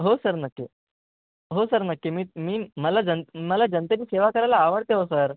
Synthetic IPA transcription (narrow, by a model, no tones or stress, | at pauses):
ɦosəɾnəkːe | ɦosəɾnəkːemiːmiːməlad͡zənməlad͡ʑənt̪əɾiːseʋakəɾajlaːʋəɽt̪eɦosəɾ